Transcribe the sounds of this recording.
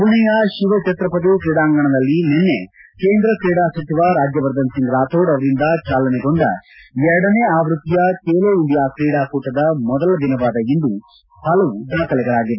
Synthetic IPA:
kuɳɛjɐʃiʋɐt͡ʃɛt̪ɾɐpɐt̪ukɾiːɽaːŋɡɐɳɐd̪ɐlːinenːe | keːnd̪ɾɐkɾiːɽaːsɐt͡ʃ̪iʋaːɾaːd͡ʒjɐʋɐɾd̪ɐnsiŋɡɾaːt̪ʰoːɽɐʋɐɾind̪ɐt͡ʃaːlɐneɡo̞ɳɖɐɛɾɐɽɐneːaːʋɾut̪ːijɐkeːloːiɳɖijaːkɾiːɽaːkuːʈɐd̪ɐmɔd̪ɐlɐd̪inɐʋaːd̪ɐind̪u | hɐlɐʋud̪aːkɐlɛɡɐɭaːɡid̪e

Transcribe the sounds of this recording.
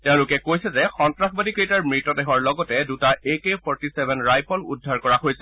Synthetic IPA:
tɛʊ̃lʊkɛkojsɛzɛxɔntɹaxbadikɹitaɹmɹitɔdɛɦɔɹlɔɡɔtɛdutaekepʰɔɹtisɛbʱɛnɹajpʰɔlṵdʱːaɹkɔɹaɦojsɛ

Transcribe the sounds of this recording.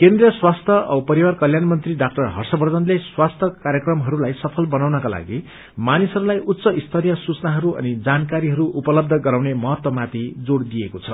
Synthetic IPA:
kend̪rijʌswast̪ʰʌʌpʌɾiwarkʌljanmʌnt̪riɖak̚ʈʌrɦʌrsʌbʌrd̪ʱʌnleswast̪ʰʌkaɾjʌkrʌmɦʌɾulajsʌpʰʌlbʌnawnʌkala̰ɡi | manisɦʌɾulajʔut̪ːsʌʔist̪ʰʌɾijʌsut͡snaɦʌɾuʌ̰nid͡zankaɾiɦʌɾuʔupʌlʌb̚d̪ʱʌɡʌɾawnemʌɦʌt̪wʌmat̪id͡zoɽd̪ijekot͡sʰʌ

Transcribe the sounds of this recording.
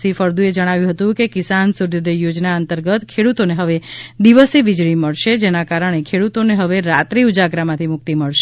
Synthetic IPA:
sifəɾd̪ũed͡ʒəɽ̃aʋjũɦət̪ũkekɪsansuɾjod̪ejod͡ʒnaənt̪əɾɡət̪kʰeɽut̪oneɦəʋed̪iʋəseʋid͡ʒɭiməɭʃed͡ʒenakaɾəɳ̃ekʰeɽut̪oneɦəʋeɾat̪ɾiud͡ʒaɡɾamãt̪ʰimʊk̚t̪iməɭʃ

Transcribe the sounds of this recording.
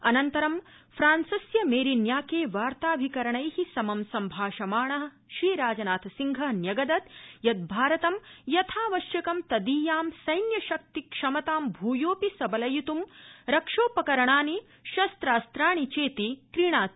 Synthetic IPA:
ɐnɐnt̪ɐɾɐm | fɾaːnsɐsjɐmeːɾinjaːkeːʋaːɾt̪aːbʱikɐɾɐɳɐjhisɐmɐmsɐmbʱaːʃɐmaːɳɐɦɐ̆ | ʃɾiːɾaːd͡ʒɐnaːt̪ʰɐsiŋɡʱɐɦnjɐɡɐd̪ɐt̪jɐt̪̚bʱaːɾɐt̪ɐmjɐt̪ʰaːʋɐʃjɐkɐmt̪ɐd̪iːjaːmsɐjnjɐʃɐk̚t̪ikʂɐmɐt̪aːmbʱuːjoːpisɐbɐlɐjut̪umɾɐkʂoːpɐkɐɾɐɳaːni | ʃɐst̪ɾaːst̪ɾaːɳit͡ʃeːt̪ikɾiːɳaːt̪

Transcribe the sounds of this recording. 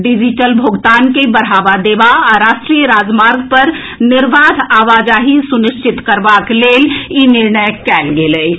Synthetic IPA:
ɖid͡ʒiʈəlbʱoɡt̪ankebəɽɦabad̪ebaɔɾaʃʈɾijəɾad͡ʒmaɾɡpəɾ | nɪɾʋad̪ʱaʋad͡ʒaɦisuniʃt͡ʃit̪kəɾbaklelinɪɾɳəjkɛlɡeləj

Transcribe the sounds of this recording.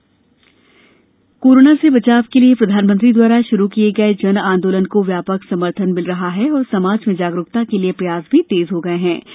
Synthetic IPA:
koːɾoːnasebɐt͡ʃaːʋkeliepɾɐd̪ʱaːnmə̃nt̪̬ɾid̪waːɾaʃʊɾukieɡɐed͡ʒɐnãːnd̪oːlənkoʋjaːpəksɐməɾt̪ʰənmɪlɾɐɦaɦɛɔːɾsɐmaːd͡ʒmẽd͡ʒaːɡɾʊkt̪akeliepɾɐjaːsbʱit̪eːzɦoɡɐeɦɛ̃ː

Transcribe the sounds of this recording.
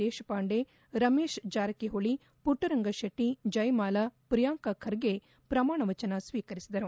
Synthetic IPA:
eːʃɐpaːɳɖe | ɾɐmeːʃd͡ʒaːɾɐkeɦoɭi | puʈːɐɾɐŋɡɐʃɐʈːid͡ʒɐjmaːlɐpɾijaːŋkɐkʰɐɾɡe | pɾɐmaːɳɐʋɐt͡ʃɐnɐsʋiːkɐɾisid̪ɐɾu

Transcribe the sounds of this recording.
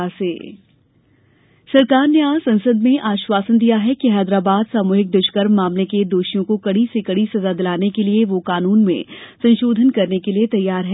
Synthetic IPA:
asḛː | sɐɾkaːɾneaːsɐ̃nsəd̪mẽʔaːʃʋaːsənd̪ijaɦɛkiɦɛːd̪ɾaːbaːd̪saːmoːɦɪk̚d̪ʊʃkəɾmːaːmleked̪oːʃijõkokɐɽisekɐɽisɐzad̪ɪlaːnekelieʋokaːnuːnmḛ̃sɐ̃nʃoːd̪ʱənkɐɾnekeliet̪ɐjːaːɾɦɛ

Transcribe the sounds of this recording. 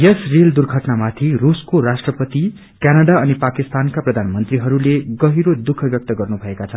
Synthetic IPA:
jʌsrild̪urɡʱʌʈnamat̪ʰiruskorasʈrʌpʌt̪i | kanaɖaʌnipakist̪ankaprʌd̪ʱanmʌnt̪riɦʌɾuleɡʌɦiɾod̪ukʰʌbjʌk̚t̪ʌɡʌrnubʱʌekat͡sʰʌ

